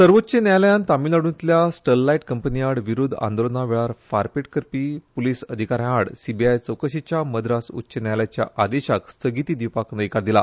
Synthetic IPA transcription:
səɾʋotːɕenjajljant̪amiːlaɽũnt̪ljasʈəlːaiʈkəmpəniaɽʋiɾud̪ʱa̰nd̪olnaʋeɭaɾfaɾpeʈkəɾpiːpolisəd̪ʱikaɾjãɽsibiajt͡səwkəɕit͡ɕjaməd̪ɾasṵtːɕenjajljat͡ɕja̰ʔad̪eɕakst̪ʰəɡit̪iːd̪iwpaknəikaɽd̪ila

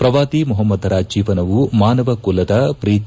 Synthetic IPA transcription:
pɾɐʋaːd̪imuɦɐmːɐd̪ɾaːd͡ʒiːʋɐnɐʋumaːnɐʋɐkulːɐd̪ɐpɾiː

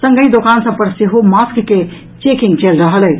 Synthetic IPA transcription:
sə̃ŋɡəid̪okansə̃pəɾseɦomaskke | t͡ʃekiŋɡt͡ʃelɾəɦəlɛ

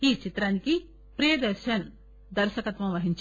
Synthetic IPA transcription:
iːt͡ʃit̪ɾaːniki | pɾijɐd̪ɐɾʃɐn | d̪ɐɾʃɐkɐt̪ʋɐ̃mʋɐɦiɲt͡ʃ

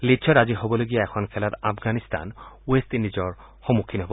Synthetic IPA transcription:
litːt͡ʃʰɔɾad͡ʒiɦɔbɔloɡijaɛkʰɔnkʰɛlat̪apʰɡanist̪a̰nwesʈnid͡ʒɔɾ | hɔmukʰːinɦɔb

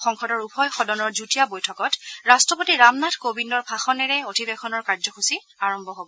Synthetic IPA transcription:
xɔŋkʰɔdɔɹupʰɔjxɔdɔnɔɹzutijabojtʰɔkɔtɹastɔpotiɹamnatʰkobindɔɹpʰaxɔnɛɹɛotʰibɛkɔnɔɹkaɹzɔxusi | aɹɔmbʱɔɦobɔ

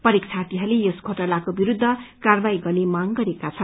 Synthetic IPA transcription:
pʌɾik̚t͡sʰat̪iɦʌlejoskʰoʈʌlakobiɾud̪ʱːʌkarbaiɡʌrlemaŋɡʌɾekat͡sʰʌn

